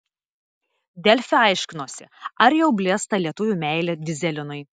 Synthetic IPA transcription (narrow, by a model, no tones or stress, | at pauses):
d̪ʲɛlʲfʲɛɐˑɪʃʲkʲɪnoːsʲɪ̰ɐɾjɛʊbʲlʲeːst̪ɐlʲiɛt̪ʊʋʲuːˑmʲæˑɪlʲeːd̪ʲɪzʲɛlʲɪnʊɪ